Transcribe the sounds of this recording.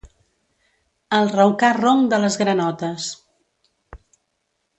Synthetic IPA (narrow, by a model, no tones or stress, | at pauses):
əlˠrəwkaroŋd̪ələzɣɾənɔt̪əs